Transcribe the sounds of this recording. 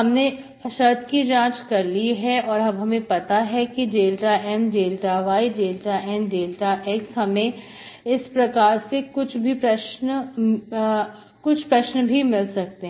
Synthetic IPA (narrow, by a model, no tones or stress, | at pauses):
ɦɐmne | ʃɐɾt̪kid͡ʒãːt͡ʃkɐɾliɦɛɔːɾɦɐbɦɐmẽpɐt̪aɦɛkid͡ʒeːlʈaʔɛːmd͡ʒeːlʈaʋaːid͡ʒeːlʈaʔɛːmd͡ʒeːlʈaʔɛːksɦɐmẽ | ɪspɾɐkaːɾsekʊt͡ʃʰbʱipɾɐʃn | kʊt͡ʃʰpɾɐʃnbʱimɪlsɐk̚t̪eɦɛ̃